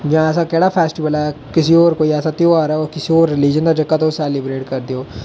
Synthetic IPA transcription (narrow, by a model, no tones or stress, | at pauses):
d͡ʒãːɛːs̬akɛːɽaːpʰɛːsʈɪʋəlɛː | kɪsioːɾkoːiɛːsaːt̪eoaːɾaoːɾkɪsioːɾːɪlid͡ʒənd̪aːd͡ʒəkːat̪oːsɛːlɪbɾeːʈkəɾd̪eoː